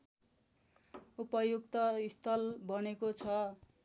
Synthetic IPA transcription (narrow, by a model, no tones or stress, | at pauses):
upʌjuɡt̪ʌist̪ʰʌlbʌnekot͡sʰʌ